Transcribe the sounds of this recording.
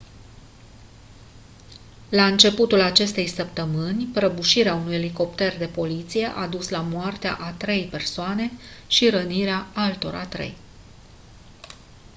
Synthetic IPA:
laɨnt͡ʃe̞put̪ulat͡ʃe̞st̪e̞jsəp̚t̪əmɨnʲpɾəbuʃiɾeaunujeliko̞pt̪e̞rd̪e̞po̞lit̪sije̞ʔad̪uslamoart̪ea̰ʔat̪ɾe̞jpe̞rsoane̞ʃiɾəniɾeaalt̪o̞̰ɾa̰t̪ɾe̞̰j

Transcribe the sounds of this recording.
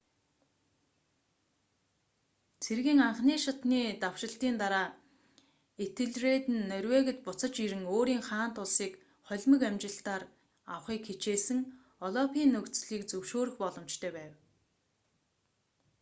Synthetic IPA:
t͡sʰerɣiːŋaɴχniːʃʊt̪niːt̪aw̥ʃɪ̆ɬt̪iːnt̪aɾaː | et̪ʰɘ̆ɮret̪ɘ̆nːœɾʲweːɣɘ̆t̪̚pʊt͡sə̆t͡ɕiɾɘ̆ŋoːɾiːŋχaːn̥t̪ʊɮsiːk | χɔɮʲmə̆kæmt͡ɕɪ̆ɬt̪aːr | a̰wχiːkxet͡ɕeːsɘ̆ŋ | ɔɮɔpʰiːnːɵkt͡sɮiːkt͡sɵwʃoːɾɵ̆xpɔɮɞ̆mt͡ɕt̪ʰœːpæːw

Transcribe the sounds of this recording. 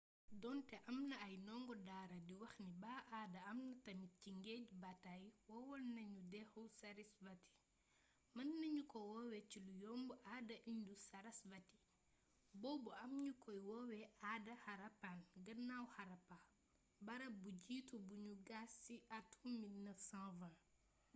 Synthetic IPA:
dɔntɛʔɐmnɐːjnɔːŋɡɔdaːɾɐdiwɐxnibaːʔaːdɐɐmnɐtɐmiciŋɡɛɟbatajwɔwɔlnɐɲudɛxɔwsɐɾisbɐti̥ | mɐnːɐɲukɔwɔwɛt͡ʃilujɔmbuʔadɐʔindusɐɾɐsbɐti̥ | bɔːbuɐmɲukɔjwɔwɛʔadɐhaɾɐpanɡɐnawhaɾɐpa | bɐɾɐbuɟiːtubuɲuɡasːiʔatuminɐsãvã

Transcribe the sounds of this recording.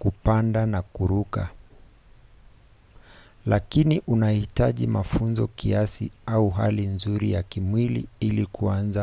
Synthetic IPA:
kupandanakuɾuka | lakiniʔunahitaʄimafunzɔkiasiauɦa̰linzuɾijakimwilḭilikʰuanza

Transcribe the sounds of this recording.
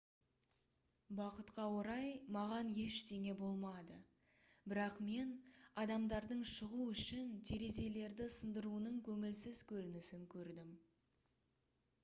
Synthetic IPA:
bɑqət̪qɑwoɾɑjmɑʁɑnje̞ʃt̪e̞ŋe̞bo̞lˠmɑd̪ə | bɪɾɑqme̞nɑd̪ɑmd̪ɑɾd̪əɴʃəʁuʏʃɪnt̪ʰe̞ɾe̞ze̞le̞ɾd̪ɪsənd̪əɾuənəɴkʲʰɵŋɪlsɪzkʲʰɵɾɪnɪsɪŋkʲʰɵɾd̪ɪm

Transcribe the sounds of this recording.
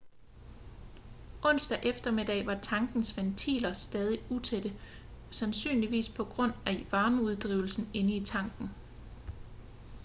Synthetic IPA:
ʔɔ̽n̰sd̥æʔefd̥ɐme̝d̥ɛ̰ɪʋɑ̈t͡sʰɑ̈ŋɡ̥n̩sʋent͡sʰḭːlɐsd̥ɛːð̞ˠiut͡sʰed̥ə | sænsy̰ːnliʋḭːspʰɒ̽ɡ̥ʁɔ̽n̰æʋɑ̈ːməuð̞ˠd̥ʁiːʊl̩sn̩e̝nəit͡sʰɑ̈ŋɡ̥n̩

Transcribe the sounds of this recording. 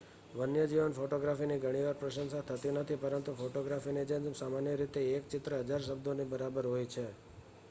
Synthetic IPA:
ʋənjəd͡ʒiʋənfoʈoɡɾafiniɡʱəɽ̃iʋaɾpɾəʃənsat̪ʰət̪inət̪ʰipəɾənt̪ufoʈoɡɾafined͡ʒesamanjəɾit̪eːkt͡ʃɪt̪ɾəɦəd͡ʒaɾʃ̬əbd̪ʱonibəɾabəɾɦojt͡ʃʰe

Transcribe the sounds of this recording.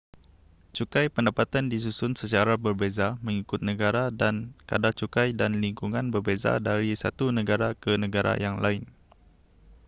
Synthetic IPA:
t͡ʃukajpəndapat̪andis̬usʊnsət͡ʃaɾabərbezamə̃ŋikʊt̪̚nə̃ɡaɾadanka̰dat͡ʃukajdanliŋkuŋãnbərbeza̰daɾisa̰t̪unə̃ɡaɾakənə̃ɡaɾa̰jaŋla̰ɪn

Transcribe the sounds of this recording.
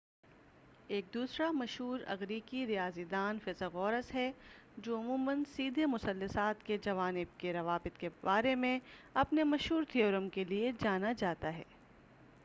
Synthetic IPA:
eːk̚d̪uːsɾamɐʃɦuːɾɐ̰ɣɾiːkiɾijaːzid̪aːnfɪzəɣɔːɾəsɦɛ | d͡ʒoːʊmũːmənsiːd̪ʱemʊsɐlːəsaːt̪ked͡ʒɐʋaːnɪb̚keɾɐʋaːbɪt̪kebaːɾemẽɐpnemɐʃɦuːɾt̪ʰioːɾəmkelied͡ʒaːnad͡ʒaːt̪aɦɛ̰ː

